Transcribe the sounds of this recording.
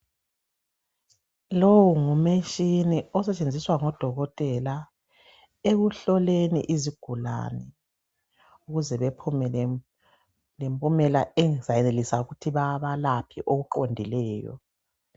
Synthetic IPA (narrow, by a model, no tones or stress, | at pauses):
lowuŋumeʃʼiniɔsɛt͡ʃʼend͡zʱiswaŋɔd̥ʱɔɣɔtʼɛla | eɣuɬɔlenḭʔiziɡ̥ʱula̰ːnɛ | uɣuzɛβepʰumɛ | lempʼumɛla̰ɛŋizajɛlelisauɣutʰiβaβalapʰiʔoɣuǃondʱilɛːjɔ̰